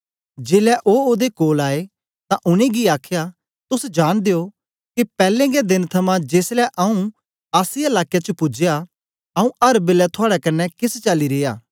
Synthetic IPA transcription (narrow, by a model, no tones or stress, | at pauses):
d͡ʒeːlɛʔoːoːd̪ekoːlaːe | t̪ãʔʊɽ̃ẽɡiaːkʰja | t̪ʊsd͡ʒaːɽ̃d̪eːo | kipɛːlẽɡed̪ɪnt̪ʰɐmãd͡ʒeːslɛʔɐũ | aːsielaːkjat͡ʃəpʊd͡ʒja | ɐũʔɐɾbɪlɛt̪ʰʊaːɽɛkɐnːɛkɪst͡ʃaliɾeːja̰ː